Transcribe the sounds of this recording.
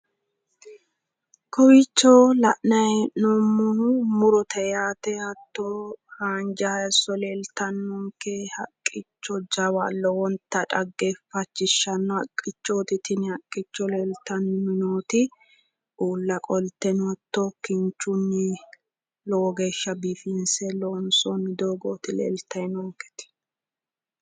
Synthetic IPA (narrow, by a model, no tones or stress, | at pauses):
kɔwɪt͡ʃːɔlɐʔnɐjɛnɔmːʊnumʊɾɔt̪ʰɛjaːt̪ɛhɐt̪ːɔhaːnd͡ʒɐɐsɔlelt̪ɐnːɔŋkehɐkʼːɪt͡ʃːɔd͡ʒɐwalːɔwɔnt̪ːɐᶑɐɡːɛfɐt͡ʃːɪʃːɐnːɔhɐkʼːɪt͡ʃːoːt̪ɪt̪ɪnɪɐkʼːɪt͡ʃːɔleːlt̪ɐnmɪnoːt̪ɪ | uːlːɐkʼɔlt̪ɛnɔt̪ːɔkːɪnt͡ʃːʊnːɪ | loɡeːʃːɐbifinsɛloːnsonːɪd̪oːɡoːt̪ɪlḛːlt̪ɐnɔŋkɛ̥t̪ɪ̥